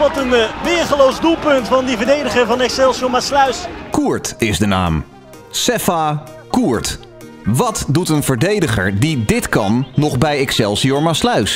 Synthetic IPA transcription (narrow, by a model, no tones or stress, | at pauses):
ʋɑtənʋɪːχəlowzdulˠpɵntfɑndivəɹdejdəχəɹvɑnɛksɛlˠsiomaslœɥskuːɹtɪzdəna̰ːm | sɛfa | kuːɹt | ʋɑtdutənvəɹdejdəχə̰ɹdidɪtkɑnːɔχbɛjɛksɛlˠsiɔɹmaslœɥs